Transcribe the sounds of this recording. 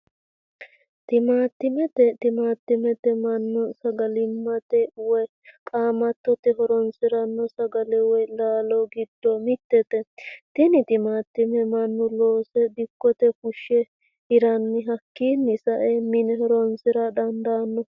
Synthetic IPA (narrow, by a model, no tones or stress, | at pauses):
t̪ɪmaːt̪ːɪmɛt̪ɛt̪ɪmaːt̪ːɪmɛt̪ɛmɐnːʊsɐɡɐlɪmːɐt̪ɛwɛ | kʼaːmɐt̪ːɔt̪ɛɦɔɾɔnsɪɾɐnːɔsɐɡɐlɛwɔjlaːlɔɡɪd̪̥ːɔmɪt̪ːɛt̪ɛt̪ɪnɪt̪ɪmaːt̪ːɪmɛmɐnːʊloːsɛd̪ɪkːɔt̪ɛkʊʃːɛ | tɪɾɐnːɪɦɐkːiːnːɪsɐʔɛmɪnɛhɔɾɔnsɪɾɐd̪ɐnd̪aːnːɔ